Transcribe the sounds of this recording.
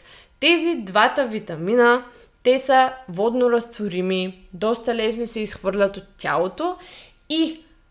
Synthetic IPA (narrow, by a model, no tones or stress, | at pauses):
t̪ɛzid̪vat̪əvit̪ɐminə | t̪ɛsəvɔd̪noɾɐst̪voɾimi | d̪ɔst̪ɐlɛsnosɛisxvɤɾlʲɐt̪ot̪̚tʲa̰lˠot̪o | i